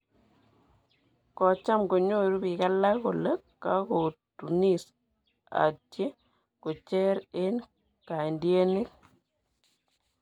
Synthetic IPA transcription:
kɔ˨t͡ʃa˦mɡo˨ɲo˦ɾu˦bi˨ka˦la˦ɣo̰˨lə˦kːa˦ko˨tu˨ni˦˨s | a̰˨tje˦ | ko˨t͡ʃɛ˦ɾe˦n | ka˨i˨ndje˦ne˦k

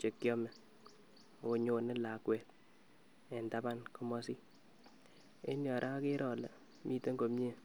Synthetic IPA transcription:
t͡ʃe˨kːjɔ˦mɛ˨ | o˨ɲo˨ne˦la˨kwɛ˨t̚ | ɛ˨nda˦ba˦nko˦mɔ˦si˦ | ḛ˦njɔ˨ɾʔa˦ke˦ɾɔ˨lḛ˨ | mʔi˦te˦ŋɡo˨mje˦˨

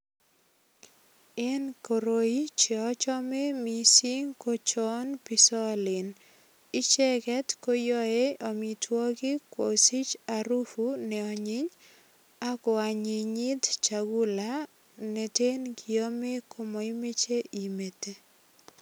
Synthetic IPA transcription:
ɛ˦nko˨ɾo˨i˦t͡ʃe˨ɔ˦t͡ʃɔ˦me˦mi˦si˦ŋko˦t͡ʃɔ˦npɪ˦sɔ˦lɪ˨n | ɪ˦t͡ʃɛ˦kɛ˦tko˦jɔ˦e˦ɔ˨mi˨twɔ˦ɡɪ˦kwo˨si˦t͡ʃa˨ɾu˦fu˦nɛ˨ɔ˨ɲɪ˦ɲ | a˦ko˨a˨ɲɪ˨ɲɪ˦d̪t͡ʃa˨ɡu˦la˦ | ne˨te˦nɡi˨o˦me˦kʰo˦mɔ˨i˦me˦t͡ʃe˦ʔi˨me˨te˦

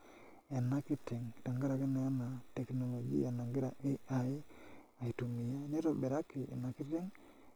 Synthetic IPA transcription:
e˨na˦kɪ˦ti˨ŋ˨ta˨ŋɡa˦ɾa˨kɪ˦nɛ˨a˦na˨tɛ˨kno˨lo˨ɡḭ˦a˨na˨ŋɡɪ˦ɾa˨e˦a˨ɪ˦ | a˨i˨tu˨mi˨ja˦˨ne˦to˨be˨ɾa˦kɪ˨ʔḛ˨na˨kɪ˦tɪ˦ŋ

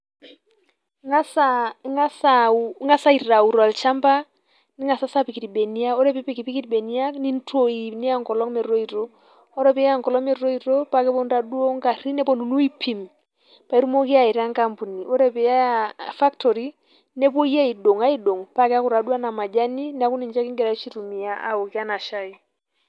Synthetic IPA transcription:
ŋa˦saŋa˦sa˨ŋa˦sa˦i˨ra˨u˨ɾa˨lt͡ʃa˦mba˦ | ni˦ŋa˨sa˦sa˦pi˨ki˨tbe˨ni˦a˦o˦ɾɛ˦pi˦pi˨ki˨pi˦ki˦tbe˨ni˦a˦kni˦n˦to˦i˨nɪ˦a˦˨ŋkɔ˨lɔ˦ŋmɛ˨ɾo˦i˨ɾo˦ | ɔ˦ɾɛ˦pɛ˦a˦˨ŋkɔ˨lɔ˦mɛ˨ɾo˦i˨ɾo˦pa˦kɛ˦pɔ˦n˦ɾa˨du˦o˦ŋka˨ɾi˦nɛ˦pɔ˦nu˨nu˦i˦pʰi˨m | pa˨i˦ɾu˦mo˦ki˦a˨i˨ɾa˦ŋka˦mpu˨ni˨ʔɔ˦ɾɛ˦˨pɛ˨ja˦fa˦ktɔ˨ɾi˦ | nɛ˦p̬o˦ja˦i˨do˨ŋa˦i˦ɗo˨ŋpa˦kɛ˦a˦ku˨ɾa˨du˦a˦na˨ma˨d͡ʒa˦ni˦nɛ˦a˦ku˦ni˨ɲd͡ʒa˦ki˦ŋɡɛ˨ɾa˨˦ʃi˦ɾu˨mi˨a˦ʔa̰˨o˨ki˦a˦na˨ʃa˦i˦

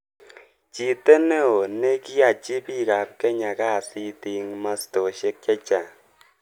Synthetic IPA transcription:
t͡ʃi˨te˦ne˦o˨ne˦ki˦a˨t͡ʃi˦pi˦ka˨p̚kɛ˦ɲa˨ka˦˨si˦ti˨ŋma˦sto˨ʃe˦k̚t͡ʃɛ˦t͡ʃa˨

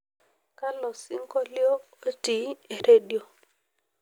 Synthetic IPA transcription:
ka˦lɔ˨si˦ŋko˦ljo˦ | o˦ti˨˦e˨ɾe˦djo˨

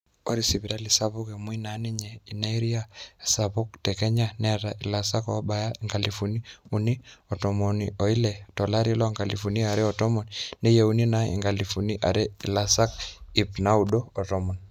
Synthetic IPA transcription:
o˦ɾi˦si˨bi˨ɾa˦li˨sa˦βu˦ke˨mu˦i˦na˨˦ni˦ɲɛ˨i˨na˦i˦ɾi˦a˦˨sa˨bu˦ktɛ˨kɛ˦ɲa˦nɛ˦ɾa˨ʔi˨la˨sa˦kɔ̰˦ba˨ja˦i˨ŋɡa˨lifu˨ni˦u˨ni˦ɔ˨tɔ˨mɔ˨nḭo˨i˦lɛ˨tɔ˨la˦ɾi˦lɔ˦ŋɡa˨li˨fu˨ni˦a˨ɾɛ˦ɔ˨tɔ˦mɔ˨nne˦je˨u˨ni˦na˦ḭ˨ŋɡa˨li˨fu˨ni˦ʔa̰˨ɾe˦i˨la˨sa˦ki˨pna˦udoː˦˨tɔ˦mɔ˨n

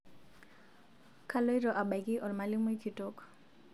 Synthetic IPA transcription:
kʰalo˦jɾɔʔa˨ba˨jkiʔɔ˨lmali˦mu˦jkʰitok

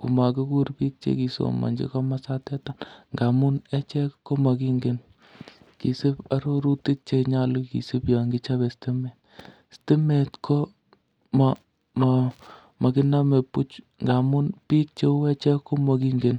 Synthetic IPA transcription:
ku˨ma˨kɪ˦ku˦ɾpi˦k̚t͡ʃḛ˦ki˨so̰˨ma̰˨ɲd͡ʒḛ˦kɔ˦ma˦sa˦tɛ˦ta˦nŋɡa˨mu˦nɛ˦t͡ʃɛ˦kkːo˦ma˨ki˦ŋɡe˦n | ki˨sɪ˦pa˦ɾo˦ɾu˦ti˦t̚t͡ʃe˦ɲa˦lu˦kḭ˨sɪ˦pja˨ŋɡɪ˦t͡ʃa˦βɛ˨ste˦mɛ˨t | ste˦me˨tkʰo˦ | ma | m | ma˨kɪ˦na˦me˨pu˦t͡ʃŋɡa˨mu˦npi˦k̚t͡ʃe˦u˦ɛ˦t͡ʃɛ˦kːo˦mɔ˨ki˦ŋɡe˨n

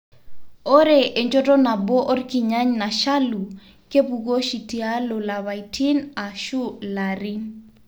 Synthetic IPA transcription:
o˦ɾe˦˨ʔe˨ɲd͡ʒo˦tɔ˦na˨bo˦ʔo˦rki˨ɲa˦ɲna˨ʃa˦lu˨ | ke˦pu˨ɡo˦ʃi˨ti˨a˦lo˨la˨βa˨jtʰi˦na˨ʃu˦la˨ɾi˦

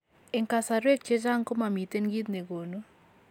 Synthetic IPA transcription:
e˨ŋka˨sa˨ɾwe˦k̚t͡ʃe˦t͡ʃa˦ŋko˦ma˨mi˨t̪e˦nɡi˦t̪̚ne˨ɡo˨no˦

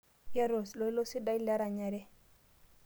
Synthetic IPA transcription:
ja˦ɾo˨slo˨i˦lo˦si˦da˦i˦la˦ɾa˨ɲa˨ɾɛ˦

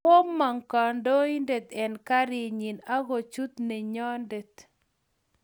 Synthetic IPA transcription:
o˦mːa˨ŋka˨ndo˦i˦nde˨t̪ɛ˨nka˦ɾɪ˨ɲi˨na˦ɡo˨t͡ʃu˦t̪ne˨ɲɔ˦nde˨t̪

